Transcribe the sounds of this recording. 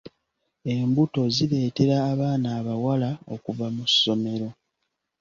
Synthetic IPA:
e̞mbuto̞ziɾe̞ːte̞ɾaːβaːnaːβawalao̰kuvamuso̞me̞ɾo̞

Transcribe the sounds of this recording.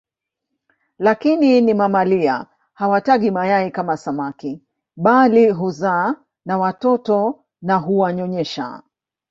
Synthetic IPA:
lakininimamalia̰ | hawataɠimajaɛkamasamaki | ɓaliɦuzaː | nawatɔtɔ | naɦuwaɲɔɲɛʃa̰

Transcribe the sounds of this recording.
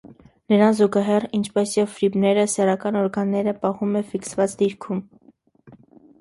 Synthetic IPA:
nəɾɑnzuɡɑɦɛrint͡ʃʰpɛsjɛvfɾibnɛɾəsɛrɑkɑnɔɾɡɑnːɛɾəpɑhumɛfiksvɑt͡sd̪iɾkʰum

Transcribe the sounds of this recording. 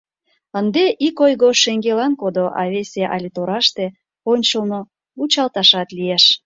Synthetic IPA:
ənd̪eʔikojɣoʃeŋɡelɑnkod̪oʔɑ̰βesʲeʔɑ̰lʲit̪oɾɑʃt̪e | onʲt͡ɕəlno | ut͡ɕɑlt̪ɑʃɑt̪lieʃ

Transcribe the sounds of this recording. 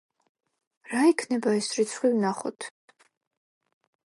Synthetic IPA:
ɾaikʰnɛbaɛsɾit̪sʰχwivnaχɔ̰t̪ʰ

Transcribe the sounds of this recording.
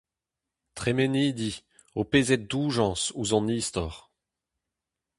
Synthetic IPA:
t̪χemɛniːd̪i | opezɛt̪̚d̪uːʒɑ̃ːsuzɑ̃niːst̪ɔʁ

